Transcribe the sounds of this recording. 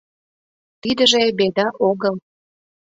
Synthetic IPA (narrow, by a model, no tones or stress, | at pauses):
t̪id̪ə̆ʒebed̪ɑʔoɣəl